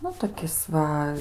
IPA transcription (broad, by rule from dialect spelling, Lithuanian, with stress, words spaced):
ˈnʊ toːˈkʲɪs ˈʋɐ